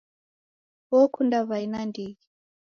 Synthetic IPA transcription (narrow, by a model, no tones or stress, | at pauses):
wɔkundaβainandiɣi